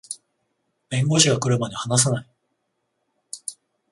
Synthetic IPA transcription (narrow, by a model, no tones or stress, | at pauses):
mẽ̞ŋɡoɕiɡakɯ̟ɾɯ̟maɲehanas̬anai